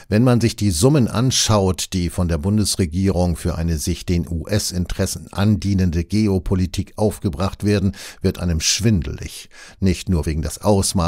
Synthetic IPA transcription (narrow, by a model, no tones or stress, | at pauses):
vɛnmanzɪçd̥iːzʊmənʔa̰nʃaʊtd̥iːfɔndeːɐbʊndəsʁ̥eɡiːʁ̞ʊŋfyːɐʔa̰ɪnəzɪçd̥eːnʔuːʔɛsɪntʁ̥ɛsn̩ʔa̰ndiːnəndəɡeːopʰolitʰiːkʔaʊfɡ̥əbʁaχtv̥eːɐdn̩v̥ɪɐtʔa̰ɪnəmʃv̥ɪndl̩ɪ̰çnɪçtnuːɐveːɡŋ̩dasʔaʊsmaː